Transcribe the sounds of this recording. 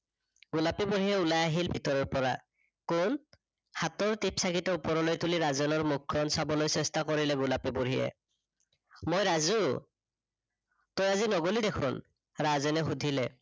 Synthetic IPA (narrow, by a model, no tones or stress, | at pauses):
ɡ̥ulapibuɹijɛulajaɦilbʱitɔɹɔɹpɔɹa̰ | kʊn | hatɔɹtipsakitɔupɔɹɔlojtuliɹazɔnɔɹmukʰːɔnsabɔlojsɛstakoɹilɛɡulapibuɹiɛ̰ | mojɹazu | tojazinɔɡolidekʰʊ̰n | ɹazɔnɛxudʱilɛ